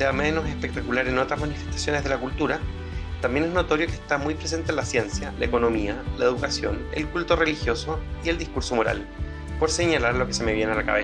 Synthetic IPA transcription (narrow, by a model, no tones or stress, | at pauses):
seameno̞sespek̚t̪akulaɾeno̞t̪ɾazmanife̞st̪ḁsjo̞nezðe̞lakult̪uɾa | t̪ambje̞ne̞sno̞t̪o̞ɾjo̞keːst̪amujpɾes̬e̞nt̪enlasje̞nsjalaeko̞no̞mialaeðukasjo̞̰nḛlkult̪o̞re̞lixjo̞so̞ie̞ld̪ihkuɾso̞mo̞ɾa̰l | poɾse̞ɲalaɾlo̞kese̞me̞βjenealaka̰βe